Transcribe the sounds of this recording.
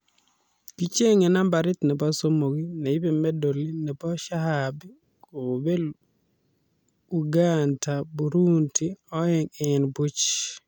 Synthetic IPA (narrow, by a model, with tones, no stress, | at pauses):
ki˦t͡ʃe˦ŋɛ˨na˦mba˨ɾɪ˦t̪nɛ˨ba˦so˦mo˨ɡi˦nɛ˨i˦be˨mɛ˦do˨li˦nɛ˨bɔ˦ʃa˦ɦabi˦ | ko˨be˦l | u˨ɡanta˨bu˨ɾu˦nti˦ɔ˦ɛ˦ŋɛ˨nbu˦t͡ʃ